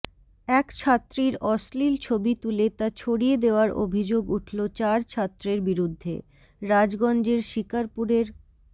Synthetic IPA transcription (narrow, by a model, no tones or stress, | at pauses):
ɛkt͡ɕʰat̪ːɾiɾɔslilt͡ɕʰobit̪ulet̪at͡ɕʰoɽied̪eoaɾʔo̰bʱid͡ʑoɡuʈʰlot͡ɕaɾt͡ɕʰat̪ːɾeɾbiɾud̪ʱːḛ | ɾad͡ʑɡɔnd͡ʑeɾʃikaɾpuɾeɾ